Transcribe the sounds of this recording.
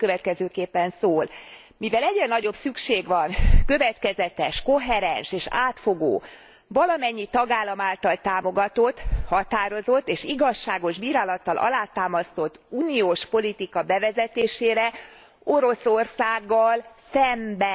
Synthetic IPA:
køvɛt̪kɛzøːkeːpːɛnsoːl | mivɛlɛɟrɛnɒɟo̞bsykʃeːɡʋɒnkøvɛt̪kɛzɛt̪ɛʃko̞ɦɛɾɛnʃeːʃa̰ːt̪foɡo̰ː | vɒlɒmɛɲːit̪ɒɡaːlːɒmaːlt̪ɒlt̪aːmo̞ɡɒt̪o̞t̪ːhɒt̪aːɾo̞zo̞t̪ːeːʃiɡɒʃːaːɡo̞ʒbiːɾaːlɒt̪ːɒlʔɒ̰laːt̪aːmɒst̪o̞t̪ːuːnioːʃpo̞lit̪ikɒbɛvɛzɛt̪eːʃeːɾɛ | o̞ɾo̞so̞rsaːɡːɒlsɛmbɛ

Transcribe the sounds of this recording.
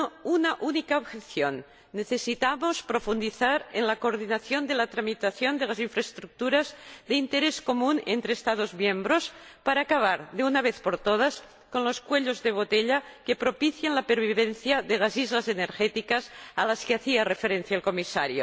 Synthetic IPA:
ounaʔunikaoβxeθjonː | eθesit̪amospɾofund̪iθaɾenlakoːɾðinaθjond̪elat̪ɾamit̪aθjond̪elaziɱfɾaest̪ɾuk̚t̪uɾazðeint̪eɾeskomunent̪ɾeːst̪að̞ozmjẽmbɾospaɾaːkaβ̞aɾðeunaβ̞eθpoɾt̪oð̞as | konloskweʎozðeβ̞ot̪eʎakepɾopiθjanlapeɾβiβ̞enθjaðelazizlazeneɾxet̪ikasalaskeaθiarefeɾen̟θjaelkomisa̰ɾjo

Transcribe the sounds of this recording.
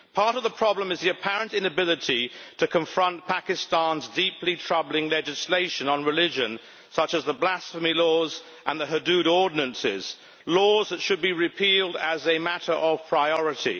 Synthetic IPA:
pʰɑɹɾʌvðəpʰɹ̥ɑblə̃mɨzðiɨpʰæɹə̃ntɪ̃nɨbɪlɨtʰitʰɨkʰə̃ɱfɹʌ̃npʰækɨstɑ̃nzdiplitʰɹ̥ʌblɪ̃ŋlɛd͡ʒɨsleɪʃɨ̃nə̃nɹɨlɪd͡ʒɨ̃n | sʌt͡ʃəzðəblæsfəmilɔːz | ʔə̃nðəɦədʉɾɔɹdⁿn̩ə̃nsɪ̰z̥ | lɔːzðɨtʃɨd̚biɹɪpʰilˠdəzɨmæɾə˞ʔəv̥pʰɹ̥aɪɔɹɨtḭ

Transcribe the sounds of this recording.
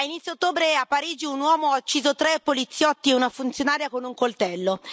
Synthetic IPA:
ainit̪sːjot̪ːoːbɾeapːaɾiːd͡ʒiunwɔːmoaut͡ʃːiːzot̪ɾepːolit̪sːjɔt̪ːieunafunt̪sjonaːɾjakonuŋkolt̪ɛlːo

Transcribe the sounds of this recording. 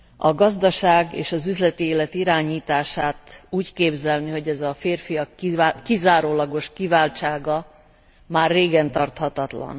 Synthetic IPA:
ɒɡɒzd̪ɒʃaːɡḛːʃɒzyzlɛt̪ieːlɛt̪iɾaːɲiːt̪aːʃaːt̪uːckeːbzɛlniɦo̞ɟɛzɒfeːrfijɒkkizaːɾoːlɒɡo̞ʃkivaːlt͡ʃaːɡɒ | maːrːeːɡɛnt̪ɒrt̪hɒt̪ɒt̪lɒ̰n

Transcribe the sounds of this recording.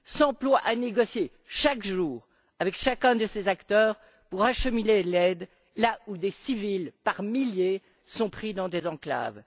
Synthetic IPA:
sɑ̃plwaʔaneɡɔsje | ʃakʒuːʁ | avɛkʃakʲɛ̃d̪əsezakt̪œːʁ | puʁaʃəminelɛd̪ | laud̪esivilpaʁmilje | sɔ̃pχid̪ɑ̃d̪ezɑ̃kla̰v

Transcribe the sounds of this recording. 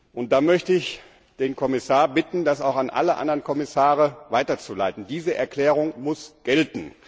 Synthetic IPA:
ʔʊnt̚d̥aːmœçtəɪç | d̥eːnkʰɔmɪsaːɐbɪtn̩dasaʊxanʔa̰ləʔa̰ndɐʁənkʰɔmɪsaːʁəvaɪtɐt͡sulaɪtn̩diːzəʔɛ̰ɐkl̥ɛːʁ̞ʊŋmʊsɡ̥ɛltn̩

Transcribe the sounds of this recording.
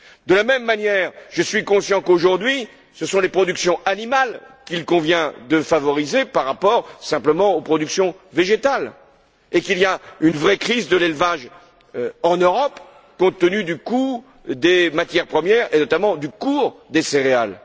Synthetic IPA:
d̪əlamɛmːanjɛʁʒəsɥikɔ̃sjɑ̃koʒuʁd̪ɥi | səsɔ̃lepχɔd̪yksjɔ̃ʔanimalkʲilkɔ̃vjɛ̃d̪əfavɔʁizepaʁːapɔʁsɛ̃pləmɑ̃opχɔd̪yksjɔ̃veʒet̪al | ekiliaynvʁɛkχizd̪əlelvaʒ | ɑ̃nøʁɔp | kɔ̃t̪ənyd̪yku | d̪emat̪jɛʁpχəmjɛʁenɔt̪amɑ̃d̪ykuʁd̪eseʁeal

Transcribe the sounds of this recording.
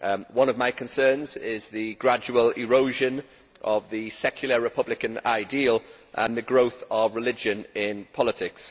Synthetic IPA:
wʌ̃nəvmaɪkʰə̃nsɜːnzɪzðəɡɹad͡ʒuəlɪɹoʊʒə̃n | ʔəvðəsɛkʰjl̩ˠəɹɪpʰʌblɪkə̃na̰ɪdiːəlˠ | ʔə̰̃nðəɡɹoʊθəvɹɪlɪd͡ʒə̃nɪ̃npʰɒlɪtʰɪks

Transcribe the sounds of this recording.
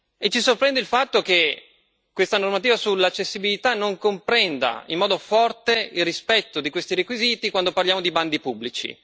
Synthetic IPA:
et͡ʃːisorpɾɛnd̪eilfat̪ːok̟e | kwest̪anormat̪̬iːvasulːat͡ʃːesːibilit̪anoŋkompɾɛnd̪a̰ḭmːɔːd̪ofɔrt̪eilrispɛt̪ːod̪ikwest̪iɾekwiziːt̪ikwand̪oparljaːmod̪iband̪ipubːlit͡ʃḭ

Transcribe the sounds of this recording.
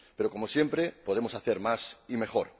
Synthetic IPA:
pe̞ɾoko̞mosje̞mpɾepo̞ð̞emo̞saθeɾmasime̞χoɾ

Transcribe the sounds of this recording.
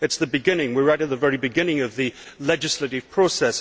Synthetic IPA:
ɨtsðɨbɨɡɪ̃nɪ̃ŋwiɹaɾɨt̪̚ðɨvɛɹibɨɡɪ̃nɪ̃ŋʌvðɨlɛd͡ʒɨslɨɾɨv̥pʰɹ̥oʊsɛs

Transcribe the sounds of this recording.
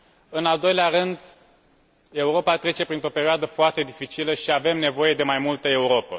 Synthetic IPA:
ɨnald̪o̞jleaɾɨnd̪ | e̞uɾo̞pat̪ɾe̞t͡ʃe̞pɾint̪ɾo̞peɾioad̪əfoart̪e̞d̪ifit͡ʃiləʃiave̞mne̞vo̞je̞d̪e̞majmult̪əe̞uɾo̞pə

